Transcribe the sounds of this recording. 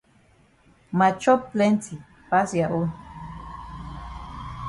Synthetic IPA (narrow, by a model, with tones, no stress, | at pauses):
ma˨t͡ʃo˦ple˦nt͡si˨ | pa˦sja˨ʔu˦n